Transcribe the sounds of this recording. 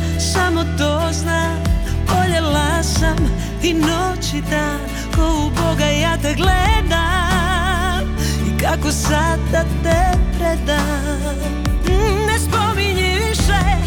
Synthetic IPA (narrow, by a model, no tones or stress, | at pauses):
samot̪ozna | oʎɛlasam | inot͡ɕid̪a | kouboɡajaːt̪ɛɡlɛd̪a | mikakosad̪d̪at̪ɛpɾɛd̪a | mnɛspomiɲiʋiʃɛ